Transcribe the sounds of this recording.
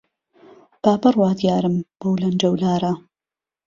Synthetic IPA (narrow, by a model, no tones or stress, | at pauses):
b̥aːbɐrwaːd̪jaːɾɨmb̥owlɐnd͡ʒɐwlaːɾɐ